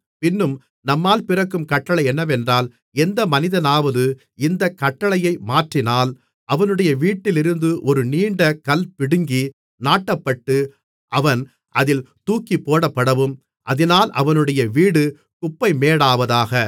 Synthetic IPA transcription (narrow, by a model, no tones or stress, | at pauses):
pɪnːɯm | nɐmːaːlpɪrɐkːɯmkɐʈːɐɭɐɪɛnːɐʋɛndraːl | ɛnd̪ɐmɐnɪðɐnaːʋɐðɯ | ɪnd̪ɐkːɐʈːɐɭɐjɐɪmaːʈrɪnaːl | ʔɐʋɐnɯɽɐjɐʋiːʈːɪlɪɾɯnd̪ɯʔɔɾɯniːɳɖɐkɐlpɪɽɯŋɡi | naːʈːɐpːɐʈːɯ | ʔɐʋɐn | ʔɐðɪlt̪uːkːipːoːɽɐpːɐɽɐʋɯm | ʔɐ̰ðɪnaːlʔɐ̰ʋɐnɯɽɐjɐʋiːɽɯ | kʊpːɐɪmeːɽaːʋɐðaːɣɐ